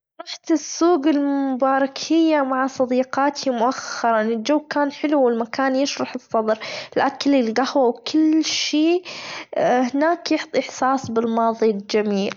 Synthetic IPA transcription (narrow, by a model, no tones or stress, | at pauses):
ɾˤɑħt̪ɪsːuːɡɪlmʊbaːɾˤɑkhɪjːamaʕasˤɑd̪iːqɑːt̪ʰimʊʔaxːɑɾˤɑnɪld͡ʒawːkaːnħɪluwɪlmakaːnjɪʃɾˤɑħɨsˤːɑd̪ˤɾlʔakalːilɡahwawkʰɪlʃiː | hɪnaːkjɪħt̪ˤʔɪħsɑːsˤbɪlmɑːðˤild͡ʒamiːl